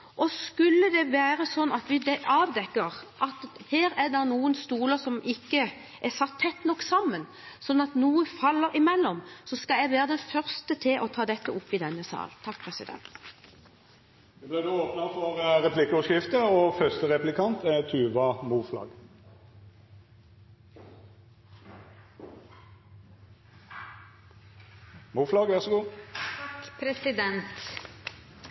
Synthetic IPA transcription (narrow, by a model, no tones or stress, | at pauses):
ʔɔskʉlːəd̪ɛʋæːɾəsɔnːɑt̪ʋɪd̪ɛʔɑːʋd̪ɛkːəɾʔɑt̪heːɾæd̪ɛnuːənst̪uːləsɔmʔɪkːə | ʔæsɑt̪ʰːɛt̪ːnɔkːsɑmːən | sɔnːɑt̪nuːəfɑlːəɾɪmɛlːɔmsɔskɑljæɡʋæːɾəd̪ɛnfœʁst̪ət̪ʰɪlʔɔt̪ʰɑːd̪ɛt̪ːəʊpːɪd̪ɛnːəsɑ̰ːlnt̪ʰɑkːpʰʁɛsɪd̪ɛ̰nt̪ | d̪ɛblɪd̪oːoːpnɑfɔʁʁɛpʰlɪkːɔʃkɪft̪əoːfœʁst̪əʁɛplɪkʰɑnt̪ʰæt̪ʰʉːʋɑmuːflɑ̰ːɡ | muːflɑːɡʋæʁsɔɡuːkpʰɾɛsɪd̪ɛnt̪